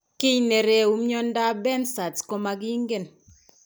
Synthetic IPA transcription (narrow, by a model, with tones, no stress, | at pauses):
kɪ˦ɲne˨ɾe˨u˨mjɔ˦n˦da˦bɛ˦nsa˨tko˦ma˨ɡi˦ŋ˦ɡe˨n